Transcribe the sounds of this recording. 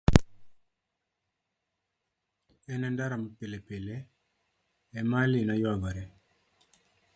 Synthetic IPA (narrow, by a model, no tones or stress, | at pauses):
ɛnɛndaɾamapelepele | malɪnajaɡɔɾɛ